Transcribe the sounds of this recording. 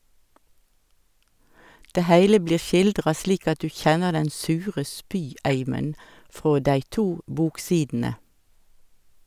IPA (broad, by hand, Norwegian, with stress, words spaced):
ˈdeː ˈhæɪlə ˈbliːʁ ˈʃɪldʁɑ ˈsliːk ˈɑt ˈdʉː ˈçɛnəʁ ˈdɛn ˈsʉːʁə ˈspyːˌæɪmən ˈfʁoː ˈdæɪ ˈtuː ˈbuːkˌsiːdn̩ə